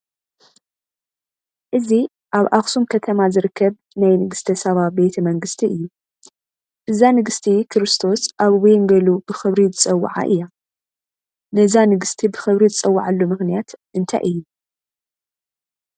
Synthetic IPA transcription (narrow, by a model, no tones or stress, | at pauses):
ʔɨzi | ʔaβʔaxsumkʰɐt̪ʰɐmazɨɾɨkʰːɐβ | najnɨɡɨst̪ʰɐsɐβabe̞t̪ʰɐmɐŋɡɨst̪ʰiɨjːu | ʔɨzanɨɡɨst̪ʰikʰɨɾɨst̪ʰo̞sʔaβwɔjnɡɐlubɨxɨβɾizɨt͡sʼɐwːa̰ʕa̰ʔɨ̰jːa | nɐzanɨɡɨst̪ʰibɨxɨβɾizɨt͡sʼɐwːaʕalːomɨxnijat̪ʔɨnt̪ʰa̰jʔɨjːu